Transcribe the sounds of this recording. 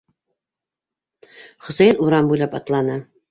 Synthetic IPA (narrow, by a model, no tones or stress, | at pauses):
χŏsæjnuɾɑmbujlˠɑpɑ̰t̪lˠɑnɤ